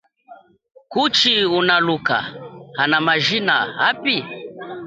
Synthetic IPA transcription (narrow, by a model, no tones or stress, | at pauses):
kut͡ʃiunaluka̰hanamaʒina̰hapi